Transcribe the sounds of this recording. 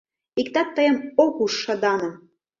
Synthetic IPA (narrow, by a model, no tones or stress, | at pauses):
ikt̪ɑt̪̚ːəjə̆mokuʃːɤ̆d̪ɑnɤ̆